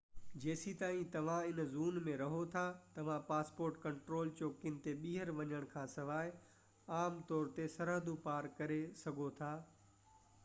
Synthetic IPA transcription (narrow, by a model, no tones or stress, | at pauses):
d͡ʑeːsit̪aːĩt̪ɐʋ̤ãɪnzuːnmẽɾɐɦot̪ʰat̪ɐʋ̤ãpaːspoːɾʈkɐ̃ɳʈɾoːlt͡ɕoːkɪn̆t̪eɓiːɦəɾʋɐɲəɽ̃kʰãːsɐʋaːɪ | aːmt̪ɔːɾt̪esɐɾɦəd̪upaːɾkɐɾesɐɡʱot̪ʰaː